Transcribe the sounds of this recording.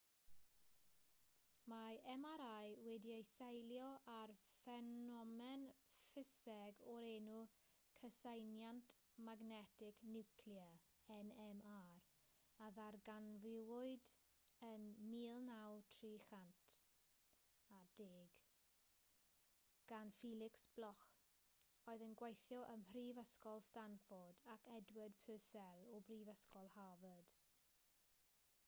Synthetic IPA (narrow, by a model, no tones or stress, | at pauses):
maɛmaɾajwɛdiejsajljɔʔarfɛnɔmɛnfɪsɛɡɔɾenu | kʰəsajnjant | maɡnɛtʰɪknɪwkʰljə | ɛnɛmaɾ | aðarɡanvɪwʊɨd | ənmiːlˠnawtʰriːχantʰ | adeːɡ | ɡ̥anfiːlˠɪksb̥lˠɔχ | oːɨðənɡwejθjɔʔəmhriːvəskɔlˠstanfɔrdakʰɛdwəd̥pʰøːsɛlˠɔbriːvəskɔlˠhavəd̥